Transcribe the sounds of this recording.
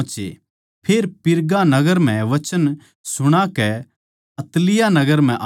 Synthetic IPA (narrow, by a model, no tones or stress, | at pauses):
t͡ʃḛ | pʰeːɾpɪɾɡanɐɡəɾm̤ɛ̃ʋɐt͡ʃən | sʊɽ̃akɛ | ɐt̪lɪjanɐɡəɾm̤ɛ̃ʔ